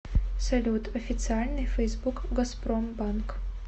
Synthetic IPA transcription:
sɐlʲut̪ɐfʲɪt̪sɨalʲnɨjfɛjzbukɡɐsprombank

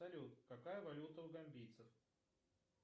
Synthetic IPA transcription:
ɐlʲut̪kɐkajəvɐlʲut̪əʊɡɐmʲbʲijt̪səf

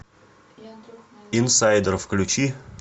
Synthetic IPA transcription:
insajd̪ʲərfklʲut͡ɕi

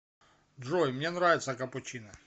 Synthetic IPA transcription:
dʐojmnʲenɾavʲɪt̪səkɐpʊt͡ɕinɐ

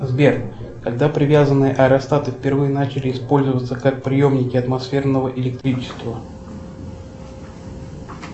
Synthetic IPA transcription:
zbʲern | kɐɡ̚d̪apɾʲɪvʲazənːɨjəʔɐɛɾɐst̪at̪ɨfʲpʲɪrvɨjənat͡ɕɪlʲɪːspo̞lʲzəvət̪səkak̚pɾʲɪjo̞mnʲɪkʲɪɐt̪mɐsfʲe̞rnəvəʔɪlʲɪk̚t̪ɾʲit͡ɕɪ̥st̪və

